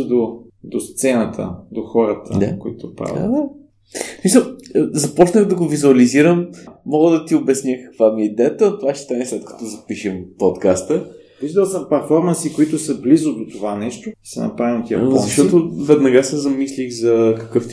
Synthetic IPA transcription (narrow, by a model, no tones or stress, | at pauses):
d̪od̪ost̪sɛnət̪ʰə̰d̪oxɔɾət̪ə̰a̰koit̪ʊpɾa̰va̰d̪a | smisəlˠzɐpɔt͡ʃnəɣd̪ɐɡovizuɐliziɾəmːɔɡəd̪ɐt̪iobɛsnʲjəkɐ̥kvamiɛid̪ɛət̪ənt̪ovaʃɛ̥st̪anɛslɛt̪kɐ̥t̪ɔzɐpiʃəmpot̪kast̪ə | viʒd̪əlˠsəmpɛɾfɔɾmɐnsikoit̪ʊsəblizʊd̪ot̪ovanɛʃt̪ʊsɛnɐ̰pɾavimt̪iɐ̰zɐʃt̪ɔt̪ovɛd̪nɐɡasɛzɐmislixzɐkɐkəf